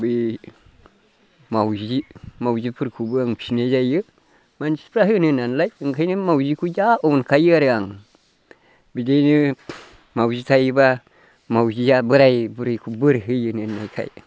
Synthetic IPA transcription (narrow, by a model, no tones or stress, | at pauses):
bi | mawd͡ʒimawd͡ʒipɨɾkubɨaŋpʃined͡ʒajə | mant͡ʃi̥pɾaɦinɨnanlajŋkanimawd͡ʒikujaonkajəaɾaŋ | bideni | mawd͡ʒitajba | mawd͡ʒijabəɾajbuɾikubɨɾɦɨjɨnɨnːajkʰa̰ḭ